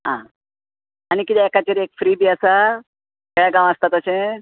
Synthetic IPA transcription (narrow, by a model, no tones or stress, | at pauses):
ɦãː | ñikit̪ɛɛkat͡ɕeɾiekfɾiːbiːəsa | keɭaɡãʋ̃əst̪at̪əsẽ